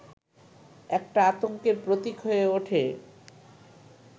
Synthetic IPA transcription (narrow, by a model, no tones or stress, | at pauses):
ɛk̚ʈaat̪oŋkeɾpɾot̪ikɦoeoʈʰe